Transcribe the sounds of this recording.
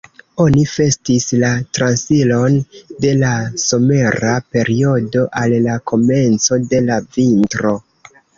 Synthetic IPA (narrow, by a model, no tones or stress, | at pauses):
o̞nife̞stislatɾansilo̞nde̞laso̞me̞ɾape̞ɾio̞do̞ʔalːakʰo̞me̞nt͡so̞de̞lavintɾo̞